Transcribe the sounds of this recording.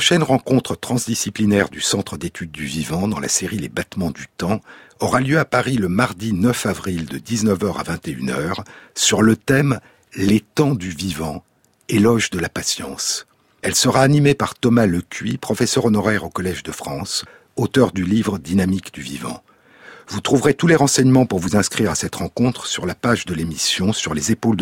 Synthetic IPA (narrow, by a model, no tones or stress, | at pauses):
pɔʃɛnʁɑ̃kɔ̃t̪χət̪χɑ̃zd̪isiplinɛʁd̪ysɑ̃t̪χəd̪et̪ʰyd̪̚ːyvivɑ̃d̪ɑ̃la̰seʁilebat̪mɑ̃d̪yt̪ɑ̃ | ɔʁaljøapaʁiləmaʁd̪inœfavʁild̪əd̪iznəvœʁa̰vɛ̃t̪eynœːʁsyʁlət̪ɛm | let̪ɑ̃d̪yvivɑ̃ | elɔʒd̪əlapasjɑ̰̃s | ɛlsəʁaːnimepaʁt̪ɔmaləkʲɥipχɔfɛsœʁɔnɔʁɛʁokɔlɛʒd̪əfχɑ̃s | ot̪œʁd̪ylivʁəd̪inamikd̪yvivɑ̰̃ | vut̪χuvʁet̪uleʁɑ̃sɛɲmɑ̃puʁvuzɛ̃skχiʁasɛt̪ʁɑ̃kɔ̃t̪χəsyʁlapaʒd̪əlemisjɔ̃syʁlezepold̪